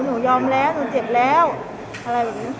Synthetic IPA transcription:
nuː˩˦jɔː˧mlɛː˦˥wnuː˩˦t͡ɕe˨˩p̚lɛː˦˥w | ʔa˧ɾa˧jbɛː˨˩p̚nː˦˥

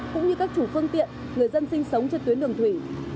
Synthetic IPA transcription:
kʊ̰˧˥ŋ͡mɲɨ˧kaː˦˥k̚t͡ɕu˧˩fɨ˧əŋt̪ḭ˧˨ən | ŋɨ˨˩əjzə˧nsï˧ŋ̟sə˨˦wŋ͡mt͡ɕe˧t̪wəɗɨ˨˩əŋt̪ʰwi˧˩

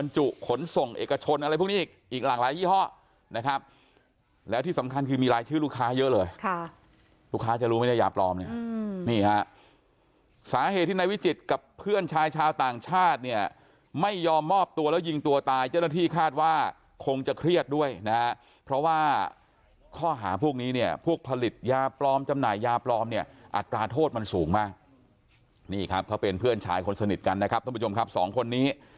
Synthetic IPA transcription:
ba˧nt͡ɕu˨˩ʔkʰo˨˩˦nso˨˩ŋʔḛː˨˩ka˧t͡ɕʰo˧nʔa˧ɾa˧jpʰu˥˩niː˥˩˨k̚ʔiː˨˩k̚laː˨˩ŋlaː˨˦jwiː˥˩ɦɔ˦˥˩ | na˦˥kʰa˦˥p̚ | lɛː˦˥wt̪ʰiː˥˩sa˩˦mkʰa˧nkʰɯː˧miː˧ɾaː˧˦jt͡ɕʰɯː˥˩luː˥˩kʰaː˦˥jɤ˦˥ʔlɤː˧jkʰ | luː˥˩kʰaː˦˥t͡ɕa˨˩ɾuː˦ma˥˩jda˥jaː˨˩plɔː˧mni˦˥˩niː˥˩ha˦˥ʔ | saː˩˦ɦe˨˩t̪ʰːiː˥˩a˧jwi˦˥t͡ɕi˨˩t̪̚ka˨˩pʰːɯ˥˩ənt͡ɕʰaː˧jt͡ɕʰaː˧wt̪aː˨˩ŋt͡ɕʰaː˥˩t̪̚ni˥˩ɐ | ma˥˩jːɔː˧mːɔː˥˩p̚t̪u˧ɐlɛː˦˥wji˧ŋt̪u˧ɐt̪aː˧jt͡ɕaː˥˩na˥t̪ʰiː˥˩kʰaː˥˩t̪̚waː˥˩ | kʰo˧ŋt͡ɕa˨˩kʰɾi˥˩ət̪̚du˥˩əjna˦˥ | pʰɾɔ˦˥waː˥˩ | kʰɔː˥˩ɦaː˩˦pʰu˥˩k̚niː˦˥ni˥˩ɐpʰu˥˩ək̚pʰːa˧li˨˩t̪̚jaː˧plɔː˧˥mt͡ɕa˧mnaː˨˩jːaː˧plɔː˧mni˥˩ɐʔa̰˨˩t̪ːɾaː˧t̪ʰoː˥˩t̪̚ma˧nsuː˨˩˦ŋmaː˧˩k̚ | niː˥˩kʰa˦˥p̚kʰa˦˥wpe˧npʰɯ˥˩ənt͡ɕʰa̰ː˧jkʰo˧nsa˧ni˨˩t̪̚ka˧nːa˦˥kʰa˦˥p̚t̪ʰːpːʰo˧mkʰa˦˥p̚sɔ̰ː˩˦ŋkʰo˧nːiː˦˥

